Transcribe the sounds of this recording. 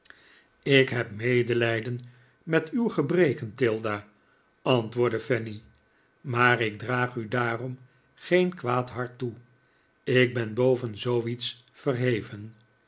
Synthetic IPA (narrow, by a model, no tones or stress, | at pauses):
ɪkɦɛpmejdəlɛjdən | mɛtywχəbrejkəntɪlˠdaː | ɑntʋʊːɹdəfɛni | maːrɪk̚draːχydaːrɔm | χejnkʋaːtɦɑɹtu | ɪk̚bɛnbowvənzowits | fərɦejvən